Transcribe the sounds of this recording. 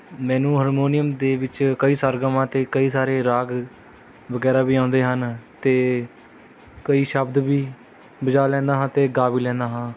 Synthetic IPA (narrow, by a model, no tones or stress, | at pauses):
mɛ̃ːnũːɦəɾmoːnɪjəmd̪eːʋɪt͡ʃkəiːsaːɾɡəmãːt̪eːkəiːsaːɾeːɾaːɡ | ʋəɡɛːɾaːbiːãːnd̪eːɦənt̪eː | kəiːʃəbd̪biː | bəd͡ʒaːlɛ̃ːnd̪aːɦãːt̪eːɡaːʋiːlɛ̃ːnd̪aːɦãː